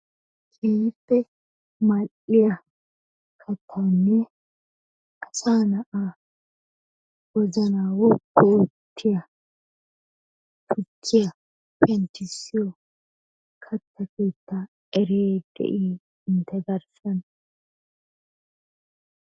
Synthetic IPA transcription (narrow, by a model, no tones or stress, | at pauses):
kʰeːjɪpːɛ | mɐlʔɪjɐ | kʰɐt̪ʰːɐwnːɛ | ʔɐsaːnɐʔa | wɔzɐnaːwʊbːɛʊt̪ʰːɪjɐ | t̪ʰʊt͡ʃːɪjɐ | pɛnt̪ɪsɪjɔ | kʰɐt̪ːɐkeːt̪ːa | ɛɾeːd̪̥ɛ̰ʔiː | ɪnt̪ɛɡɐɾsɐn